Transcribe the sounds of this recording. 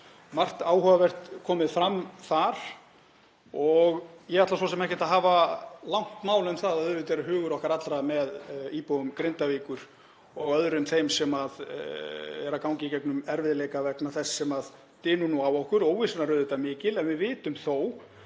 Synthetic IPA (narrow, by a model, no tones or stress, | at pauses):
mar̥t̪aːwhœvavɛr̥t̪kʰɔːmɪðfɾamːθaɾ̥ | ɔɣjɛɣat̪las̬ɔsɛmɛhcɪ̥t̪aðɦaːvalawŋ̥t̪maːwlʏmθaðaðʏːvʏt̪ɛːɾʏɦʏːɣʏɾɔhkaɾat̪lɾamɛðiːpɔɣʏmkɾɪnt̪aviːkʏɾ̥ | ɔɣœðɾʏmθejmsɛmað | ɛɾakawŋcɪcɛknʏmɛɾvɪðleːjkavɛknaθɛsːɛmað | t̪ɪːnʏnuawɔhkʏɾoːwvɪsɛnaɾʏːðɪt̪amɪːcɪlɛnvɪðvɪːt̪ʏmθow